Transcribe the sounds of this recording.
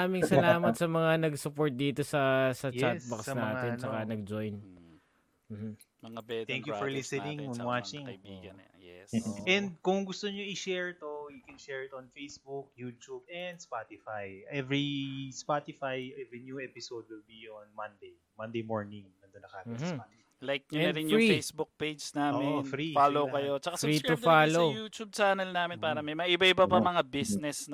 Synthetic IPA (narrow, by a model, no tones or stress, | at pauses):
aːmɪŋsɐlaːmɐt̪̚sɐmɐŋanɐɡsʊpoɹt̪̚d̪iːt̪o̞sɐsɐjt͡ʃas̚bɐksnaːɪnt͡ʃɐkanɐɡ̚d͡ʒojn | m̩ːmm̩ | mɐŋabɛt̪ɛ̃ŋkjuffɔɹlɪsɛnɪ̃ŋnwat͡ʃɪŋiɡjɛɛnd̪̚kʊŋɡʊst̪oɲoɪʃɛɹt̪ojʊkɛnʃɛɹɪt̪ɔnfejsbuk̚jut̪ubɛnd̪spat̪ɪfajʔɛvɹispat̪ɪfajʔɛvɹinjuɛpɪsowd̪̚wɪlbionmɐ̃nd̪ej | mɐ̃nd̪ejmoɹnɪŋnɐnd̪onːɐka̰ɡɐsat̪ | lajk̚ɲɐnɐɾɪnjʊfejsbʊk̚pejd͡ʒnaːmɪnfɾifaːlowkɐjo̞t͡ʃɐkasit̪ʊd̪falojuːt͡ʃ̪ub̚t͡ʃaːnɐlnaːmɪnpaːɾɐmɐjmɐŋaʔɪbɐʔɪbɐpɐmɐŋabisnɛsn